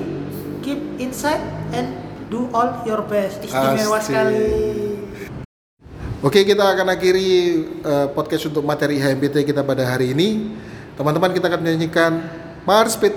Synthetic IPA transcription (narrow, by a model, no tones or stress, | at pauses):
kip̚insajt̪̚ɛnduʔɔljɔrbɛst̪isaiewasali | okekit̪aːkanakiɾiəpɔd̚kɛsunt̪ʊk̚mat̪eɾiɦaɛmbet̪ekit̪apadaɦaɾiːnit̪əmant̪əmankit̪aːkanməɲaɲikan | marspet̪